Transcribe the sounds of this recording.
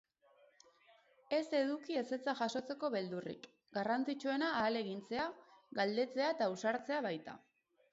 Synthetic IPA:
e̞se̞ðukie̞se̞t͡saʝaso̞t͡se̞ko̞βe̞ld̪urḭk | ɡarant͡sit͡ʃue̞naːle̞ɣint͡se̞aɣald̪e̞t͡se̞aet̪ausaɾt͡se̞aβajt̪a̰

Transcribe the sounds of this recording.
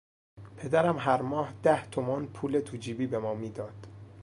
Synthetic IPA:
pʰe̞d̪æɾæmɦæɾmɒːhd̪̥æht̪ʰomɒːnpʰuːle̞t̪ʰuːd͡ʒiːbiːbe̞mɒːmiːd̪ɒːd̪̥

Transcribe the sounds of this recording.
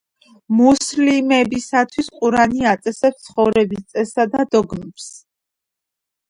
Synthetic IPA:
muslimɛbisat̪ʰwisqʼuɾaniat̪sʼɛsɛpst̪sʰχɔvɾɛbist̪sʼɛsad̪ad̪ɔɡmɛps

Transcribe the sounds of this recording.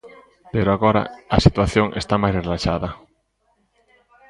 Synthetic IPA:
peɾoaɣoɾa̰asit̪waθjoŋest̪amajrelat͡ʃaðɐ

